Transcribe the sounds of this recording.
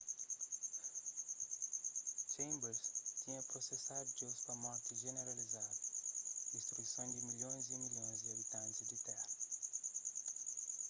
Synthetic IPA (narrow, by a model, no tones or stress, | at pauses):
t͡ʃẽj̃mbeɾzt̪ĩɲɐpɾosesad̪ud͡ʒospɾɐmɔɾt̪iʒeneɾalizaðɐd̪iʃt̪ɾuisɐ̃w̃d̪ɪmiʎõj̃zimiʎõj̃zd̪iɐβit̪ɐ̃nt̪ɪzd̪ɪt̪ɛhɐ